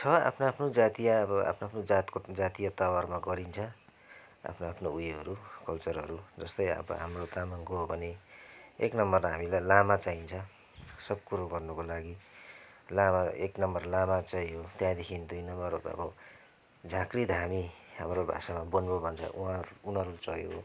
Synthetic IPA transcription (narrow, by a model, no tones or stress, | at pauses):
t͡sʰʌa̰pʰnoapʰnod͡zat̪ijaʌbʌa̰pʰnoapʰnod͡zat̪kod͡zat̪ijat̪awarmaɡʌɾint͡sʰʌ | a̰pʰnoapʰnoujɦʌɾukʌlt͡sʌrɦʌ̰ɾud͡zʌst̪ʌjʌ̰bʌ̰ɦa̰mrot̪amaŋkoɦobʱʌneḛknʌmːʌraɦamilajlamat͡saint͡sʰʌ | sʌb̚kuɾoɡʌrnʌkolaɡi | lamaeknʌmbʌrlamat͡sajɦot̪jãd̪ekʰinid̪ujnʌmʌrʌ̰bʌ | d͡zʱakrid̪ɦamiɦamrobʱa̰samabʌnbobʱʌnt͡sʰʌ̰ʔuɦãɾuunɦʌɾut͡sʌɦjoo